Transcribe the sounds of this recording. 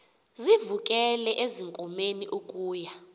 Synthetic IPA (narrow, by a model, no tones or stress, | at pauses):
zivukʼɛlɛʔeziŋkʼɔmeniʔukʼuːja